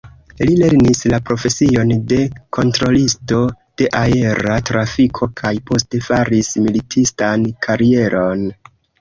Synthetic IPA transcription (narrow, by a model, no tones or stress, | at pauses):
lile̞ɾnislapɾo̞fe̞sio̞nde̞kʰo̞ntɾo̞listo̞ | d̥e̞ʔae̞ɾatɾafikʰo̞kʰajpo̞ste̞faɾismilitʰistankʰaɾie̞ɾʔo̞n